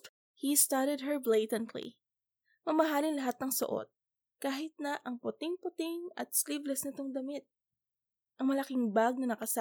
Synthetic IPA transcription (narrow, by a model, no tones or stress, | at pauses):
hist̪aɾɛd̪̚ɦɛɹblejt̪ɛnt̪lḭ | mɐmɐɦaːlɪnlɐɦat̪̚nɐŋsʊ̰ʔo̰t̪̚ | kaːɦɪt̪̚nɐʔɐŋpʊt̪ɪŋpʊt̪ɪŋɐ̰t̪̚sliblɛsnɐt̪oŋd̪ɐmɪt̪̚ | ʔɐŋmɐlɐkɪŋbaɡ̚nɐnɐkɐsa